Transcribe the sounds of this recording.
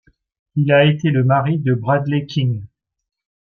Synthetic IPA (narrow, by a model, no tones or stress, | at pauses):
ilaet̪eləmaʁid̪əbʁad̪lekʲʰĩŋ